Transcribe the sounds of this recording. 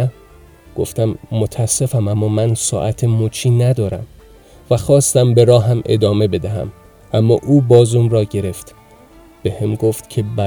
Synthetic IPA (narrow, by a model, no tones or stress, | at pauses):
ɡ̥o̰ft̪æmːot̪ʰæse̞fæmæmːɒːmænsɒ̰ːʔæt̪ʰemuːt͡ʃʰiːnæd̪ɒːɾæ̰m | væxɒːst̪æmbe̞ɾɒːɦæmʔe̞̰d̪ɒːme̞be̞d̪æɦæ̰m | ʔæmːɒːʔuːbɒːzumrɒːɟe̞ɾe̞ft̪ | b̥ehemɡo̞ft̪cʰe̞bæ